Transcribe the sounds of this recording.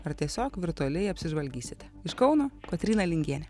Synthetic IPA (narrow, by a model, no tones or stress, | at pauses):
ɐɾt̪ʲiɛsʲoːkʋʲɪɾt̪ʊɔlʲɛɪɐpʲsʲɪʒʋɐlʲɡʲiːsʲɪt̪ʲɛ̥ɪʃkɒʊnoːkot̪ʲɾʲiːnɐlʲɪŋʲɡʲiɛnʲɛ